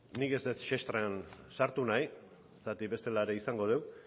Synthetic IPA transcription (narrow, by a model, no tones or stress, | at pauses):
nike̞zd̪et͡sʃest̪ɾean | saɾt̪unaj | sat̪iβe̞st̪e̞laɾe̞isaŋɡo̞ð̞ew